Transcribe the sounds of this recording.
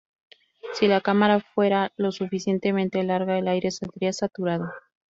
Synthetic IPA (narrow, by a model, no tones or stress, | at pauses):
silakamaɾafwe̞ɾalo̞sufisje̞nt̪e̞mẽ̞nt̪e̞laɾɣaelajɾe̞sald̪ɾiasat̪uɾaðo